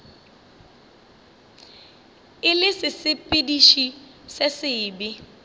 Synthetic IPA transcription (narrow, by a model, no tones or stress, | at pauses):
ɪlɪsɪsɪpʼɪdiʃisɪsɪːbɪ